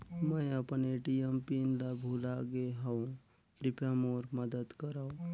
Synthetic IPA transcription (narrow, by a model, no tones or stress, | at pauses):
mə̃əpneʈijəmpinlabʱuːlaɡeɦaũ | pɾɪpɾəmoːɾməd̪əd̪kəɾaːõ